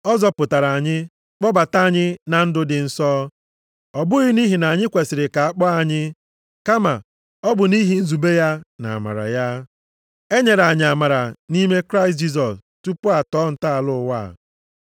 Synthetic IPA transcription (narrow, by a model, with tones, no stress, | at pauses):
ɔ˦zɔ˦pʊ˨ta˨ɾa˨a˨ɲɪ˦ | k͡pɔ˦ba˨ta˦a˦˨ɲɪ˦na˨n̩˦dʊ˦dɪ˨n̩˦sɔ˦ | ɔ˨bʊ˦ɣɪ˦ni˦ɦi˨na˨ɲɪ˦kʷe˨sɪ˨ɾɪ˨ka˨a˨k͡pɔ˦a˨ɲɪ˦ | ka˦ma˨ | ɔ˦bʊ˨ni˦ɦi˨n̩˦zu˨be˦ja˦na̰˨ma̰˨ɾa̰˨ja˦ | e˦ɲe˨ɾa˨ɲɪ˨a˨ma˨ɾa˨ni˦me˦kɾa˦ɪ˨st̬̚d͡ʒi˦s̬ɔ˨stu˦pʊ˦a˨tɔː˨˦n̩˨ta˦a˨lʊ˦˨wa̰ː˦˨